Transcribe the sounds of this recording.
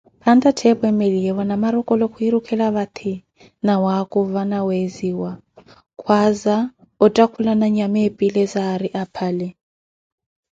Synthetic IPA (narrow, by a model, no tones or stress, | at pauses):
pʰandʼatʰɛpɔɛmeliɛwanamaɾɔkʼɔlɔkʰuiɾukʰɛlaβat̪ʰi | nawakʼuvanaweziwa | kʰwaza | ɔtʼakʰulanaɲamepʼilɛzaɾiʔapʰaːlɛ